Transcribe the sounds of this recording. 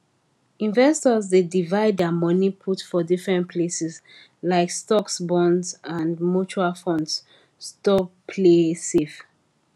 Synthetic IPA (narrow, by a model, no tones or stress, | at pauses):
ĩnvɛstɔzdedivaɪdamɔnipʰutfɔdifɹɛ̃ntpʰlesɛs | laɪkstɔksbɔ̃ndsãndmut͡ʃualfɔ̃nds | stɔpʰlesef